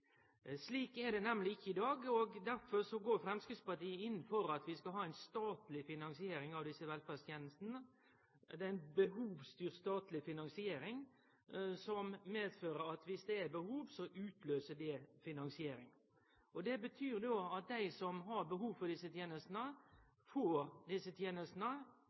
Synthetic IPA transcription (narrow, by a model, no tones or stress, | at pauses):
sliːkɛɾɖ̪ɛnɛmlɪɪçːəɪd̪ɑːɡɔɡd̪æɾfɔɾsɔɡoːɾfɾɛmskɾɪt̪spɑʈiːəɪn̩ːfɔɾɑt̪ʋɪskɑlɦɑːæɪnst̪ɑːt̪lɪfɪnɑnsɪeːɾɪŋɑʋd̪ɪsəʋɛlfɑst̪ʰjeːnəst̪nə | ɛæɪnbəhuːʋst̪yːɾst̪ɑːt̪lɪfɪnɑŋsɪeːɾɪŋ | sɔmmeːd̪føːɾəɾɑt̪ʋɪsd̪ɛæɾbəhuːʋsɔʔʉːt̪ʰløːsəɖɛfɪnɑŋsɪeːɾɪŋ | ɔd̪ɛbət̪ʰyːɾd̪oːɑt̪̚d̪æɪsɔmɦɑɾbəɦuːʋfɔd̪ɪsət̪ʰjeːnəst̪nə | foːɾd̪ɪsət̪ʰjeːnəst̪nə